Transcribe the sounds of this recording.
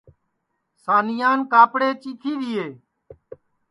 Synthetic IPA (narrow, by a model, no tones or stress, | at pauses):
saːnɪjaːnkaːpɽeːt͡ʃiːk̪ʰiːd̪ɪːeː